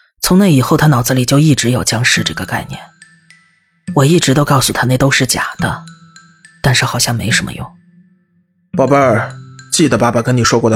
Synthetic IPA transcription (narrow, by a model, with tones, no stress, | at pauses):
t͡sʰʊ˧˥ŋna˥˩ɪi˨˩xo˥˧ʊt̪ʰa˥nɑ˨˩ʊd͡z̩˥˧li˨˩t͡ɕjo˥˧ʊi˥˩ʈ͡ʂɻ̩˧˥jo˨˩ʊt͡ɕjɑ˥ŋʂɻ̩˥˧ʈ͡ʂɤ˥˩ɡə˩ka˥˧ɪnjɛ̰˥˩n | wɔ˨˩i˥˩ʈ͡ʂɻ̩˧˥t̪o˥ʊkɑ˥˩ʊsu˨˩t̪ʰa˥ne˥˩ɪt̪o˥ʊʂɻ̩˥˩t͡ɕja̰˨˩d̪̥ə̰˦ | t̪a˥˧nʂɻ̩˥˩xɑ˨˩ʊɕjɑ˥˩ŋme˧˥ɪʊʂə˧˥mʔə̰˧jʊ̰˥˩ŋ | pɑ˥˩ʊpə˥˧˨t͡ɕi˥˩d̪ə˩pa˥˩ba˨˩kə˥ni˨˩ʂwɔ˥kwɔ˥˩d̪